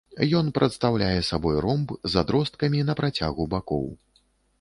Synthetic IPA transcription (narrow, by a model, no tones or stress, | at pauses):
jɔnpɾɐt̪st̪awlʲajɛsabɔjɾɔmbzad̪ɾɔst̪̚kɐmʲinɐpɾat͡sʲaɣubakɔ̰w